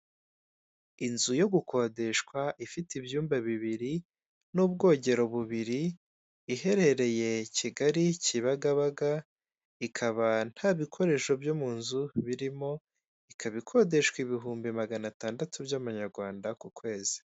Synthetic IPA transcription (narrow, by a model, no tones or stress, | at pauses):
inzujo̞ɡuko̞de̞ʃkwaʔifitibjuːmbaβiβiɾi | nuːbɡo̞ːɟe̞ɾo̞βuβiɾiː | ɦe̞ɾe̞ɾe̞je̞ciɡaɾiciβaɡaβaɡa | ikʰaβan̥haːβikʰo̞ɾe̞ʃo̞bjomunzuβiɾimo̞ | ikʰaβikʰo̞de̞ʃkwiβiɦuːmbimaɡanataːndatʰubjamuɲaɾɡwaːndakukwe̞ːzi̥